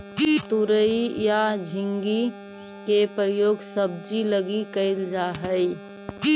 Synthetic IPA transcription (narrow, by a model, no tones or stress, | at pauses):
t̪uɾəijad͡ʒʱiŋɡi | kepɾəjoɡsəb̚d͡ʒiləɡikəɪld͡ʒaɦəj